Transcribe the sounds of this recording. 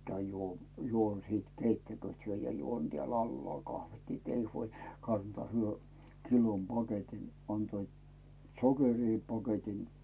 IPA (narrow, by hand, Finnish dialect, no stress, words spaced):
kæyn juo juon siːt keitːækyøˑt hyø jɑ juon tĕæˑl ɑlːŏɑˑl kɑhʋit ni t ei huolʲ kɑntŏɑː hyø kilom pɑketin ɑntoit sokeriː pɑketin